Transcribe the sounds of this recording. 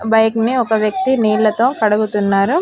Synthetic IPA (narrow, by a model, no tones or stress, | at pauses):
bɐjkniɔkɐʋjɐk̚t̪iniːlɐt̪o̞ːkɐɽɐɡut̪unːaːɾu